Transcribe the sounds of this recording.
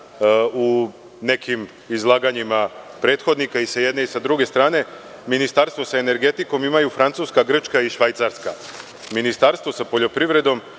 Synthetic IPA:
u | ne̞kʰim | izlˠaːɡaɲimapɾe̞ːt̪xo̞d̪nikaisaje̞d̪neisad̪ɾuɡe̞st̪ɾaːne̞ | minist̪aɾst̪ʋo̞sae̞ne̞ɾɡe̞t̪iko̞mimajufɾant̪suːskaɡr̩t͡ʃkaiʃʋajt̪saɾska̰ | minist̪aɾst̪ʋo̞sapo̞ʎo̞pɾiʋɾe̞d̪o̞m

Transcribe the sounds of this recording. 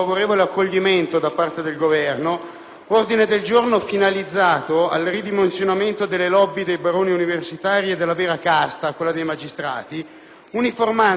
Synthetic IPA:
avoɾeːvoleakːoʎːiment̪od̪apːart̪ed̪elɡovɛrno | ord̪ined̪eld͡ʒornofinalid̪zːaːt̪oa̰lrid̪imensjonament̪od̪elːelɔbːid̪ejbaɾoːniuniversit̪aːɾied̪ːelːavɛːɾakast̪akwelːad̪ejmad͡ʒist̪ɾa̰ːt̪i | uniforma

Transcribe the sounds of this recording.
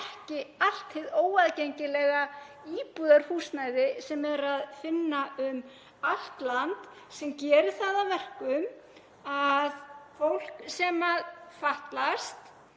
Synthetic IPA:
ɛhcɪal̥t̪hɪðoːwaðcejɲcɪlɛɣa | iːpuðaɾ̥huːsnajðɪsɛmɛɾaðfɪnːaʏm | al̥t̪lant̪ | sɛmcɛːɾɪθaːðavɛr̥kʏm | aðfowl̥ksɛmaðfaht̪last̪

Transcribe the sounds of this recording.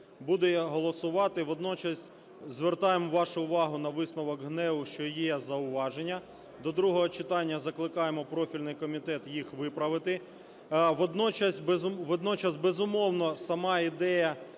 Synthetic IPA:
bud̪ɛɦɔlˠɔsʊʋɑt̪ɪʋɔd̪nɔt͡ʃɐsʲ | zʋert̪ɑjemʋɑʃʊʊʋɑɦʊn̪ɐʋɪsnɔʋɔkɦnɛʋʊʃt͡ʃɔjɛzɐʊʋɑʒenʲːɐ | d̪ɔd̪ɾuɦɔɦɔt͡ʃɪt̪ɑnʲːɐzɐklˠɪkɑjemɔpɾɔfʲilʲnɪjkɔmʲit̪ɛt̪jixʋɪpɾɐʋɪt̪ɪ | ʋɔd̪nɔt͡ʃɐsʲbezʋɔd̪nɔt͡ʃɐsbezʊmɔwnɔsɐmɑid̪ɛjɐ

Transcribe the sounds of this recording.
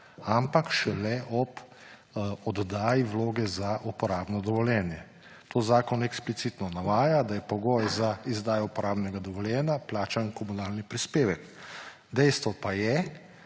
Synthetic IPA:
ampakʃɛlɛʔɔp | ɔd̪d̪aːjiwloːɡɛzaʔupɔɾaːbnɔd̪ɔʋɔljɛːnjɛ | t̪oːzaːkɔnɛksplit̪siːt̪nɔnaʋaːjad̪ajɛpɔɡoːjzaizd̪aːjɔupɔɾaːbnɛɡad̪ɔʋɔljɛːnjaplaːt͡ʃankɔmunaːlnipɾispeːʋɛk | d̪ɛjst̪ʋɔpajɛ

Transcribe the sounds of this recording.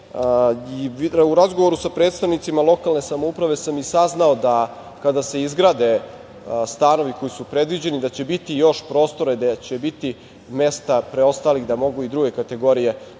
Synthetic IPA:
iuɾazɡo̞ʋo̞ɾusapɾe̞ːt̪st̪aʋnit̪simalˠo̞kalˠne̞samoupɾaʋe̞samisaznaod̪a | kad̪ase̞izɡɾaːd̪e̞ | st̪ano̞ʋiko̞jisupɾe̞d̪ʋid͡ʑe̞nid̪at͡ɕe̞bit̪ijo̞ʃpɾo̞ːst̪o̞ɾed̪at͡ɕe̞bit̪i | me̞st̪apɾeo̞st̪aːliɣd̪amo̞ɡuid̪ɾuɡe̞kat̪e̞ɡo̞ɾije̞

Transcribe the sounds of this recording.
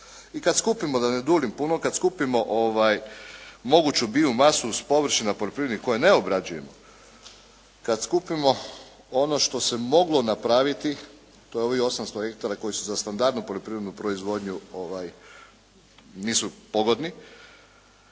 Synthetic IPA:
ikad̪skupimod̪aned̪uːlimpunokad̪skupimo̞ʔoʋajmo̞ɡut͡ɕubiumasuspo̞ʋɾ̩ʃinapoʎʲo̞pɾiɾed̪niko̞jeneobɾad͡ʒuje̞mo | kad̪skupimo̞ | o̞no̞ʃt̪o̞semo̞ɡlˠo̞napɾaʋit̪i | t̪o̞jeo̞ʋio̞samst̪oe̞kt̪oɾako̞jisuzast̪and̪aɾd̪nupoʎo̞pɾiʋɾe̞d̪nupɾoizʋo̞d̪ɲuoʋaj | niːsupo̞ɡo̞d̪ni

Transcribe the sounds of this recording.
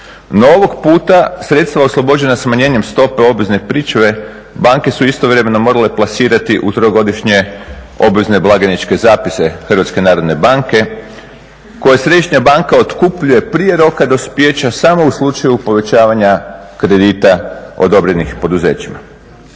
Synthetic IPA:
no̞oʋo̞ɡpuːt̪asɾe̞t̪st̪ʋaoslˠo̞bo̞d͡ʑe̞nasmaɲe̞ːɲe̞mst̪o̞pe̞o̞bʋezne̞pɾit͡ʃʋe̞ | baŋke̞suist̪o̞ʋɾe̞me̞no̞mo̞ɾale̞plˠasiːɾat̪iʔut̪ɾoɡo̞d̪iʃɲe̞ | o̞bʋezne̞blˠaɡenit͡ʃke̞zaːpise̞xərʋat̪ske̞naːɾo̞d̪ne̞baŋke̞ | ko̞jasɾe̞d̪iʃɲabaŋkao̞t̪kupʎuje̞pɾije̞ɾo̞kad̪ospje̞ːt͡ɕasamo̞uslˠut͡ʃajupo̞ʋe̞t͡ʃaːʋaɲakɾe̞d̪iːt̪ao̞̰d̪o̞bɾenixpo̞d̪uze̞ːt͡ɕima̰

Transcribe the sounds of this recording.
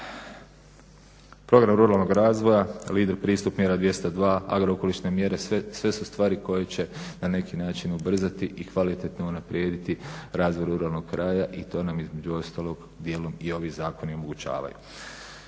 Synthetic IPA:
pɾo̞ɡɾamɾuɾaːlˠno̞ɡɾaːzʋo̞jaliːd̪eɾpɾiːst̪upmje̞ɾad̪ʋje̞st̪od̪ʋaːa̰ɡɾooko̞liʃne̞mje̞ɾe̞sʋe̞sust̪ʋaːɾiko̞jet͡ɕe̞nane̞kinaːt͡ʃinubr̩zat̪iʔikʋalit̪e̞t̪nounapɾʔje̞ːd̪it̪iɾaːzʋojɾuɾaːlˠno̞ɡ̥kɾʔaːjaʔit̪o̞ːnamizme̞d͡ʑuo̞st̪aːlˠoɡ | d̪jeːlˠo̞mio̞ʋiːzaːko̞niomo̞ɡut͡ɕa̰ːʋa̰jṵ

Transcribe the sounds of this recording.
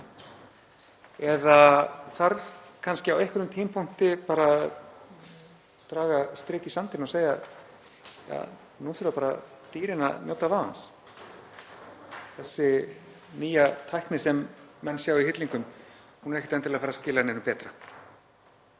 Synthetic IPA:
ɛðaθaɾðkʰanscɪawejhkvɪɾʏmt̪ʰiːmpʰuŋ̥t̪ɪpaːɾa | t̪ɾaːɣast̪ɾɪːcɪsamt̪ʰɪnɔseːja̰ | ja̰ː | nuθʏɾvapaːɾa | t̪iːɾɪna̰njoːwt̪avaːða̰ns | θɛsːɪ | niːjat̪ʰajhknɪsɛmːɛnːsjaːwiɦɪt̪liŋkʏmhunɾɛhcːɪt̪ɛnt̪ɪlafaːɾascɪːlanɛɾʏmpɛːt̪ɾa

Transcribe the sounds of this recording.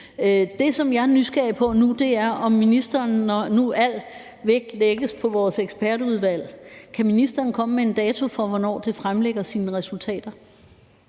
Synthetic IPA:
d̥e̝sɒ̽mjɑ̈ɪnysɡ̥ɛɐpʰɒ̽nud̥e̝æɐʔɒ̽mːinisd̥ɐːnːɒnuʔæl̰ | ʋeɡ̥̚d̥leɡ̥əspʰɒ̽ʋɒːseɡ̥sb̥æɐduð̞ˠʋæl̰kʰæminisd̥ɐːn̩kʰɒ̽məmee̝nd̥ɛːt͡sʰo̝fɒ̽ʋɒnɒ̰ːd̥e̝fʁamleɡ̥ɐsiːnəʁɛsult͡sʰɛ̰ːd̥ɐ

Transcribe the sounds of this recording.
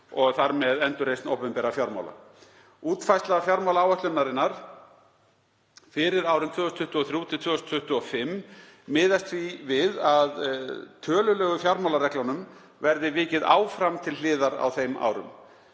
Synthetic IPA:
ɔɣθaɾmɛðɛnt̪ʏɾejsnowpɛmpɛːɾafjawɾma̰wla̰ | uːt̪fajst̪lafjawɾmawlaawɛht̪lʏnːaɾɪnːaɾ̥ | fɪɾɪɾaːwɾɪmt̪ʰœːʏsnt̪ʰʏht̪ʏɔθɾjuːt̪ʰɪt̪ʰvœːʏst̪ʰʏht̪ʏɔfɪmː | ɪːðast̪vivɪðaðt̪ʰœːlʏlɛːɣʏfjawɾmawlaɾɛhklanʏm | vɛɾðɪvɪːcɪða̰ːwfɾamt̪ʰɪllɪːðaɾa̰wθejma̰ːwɾʏ̰m

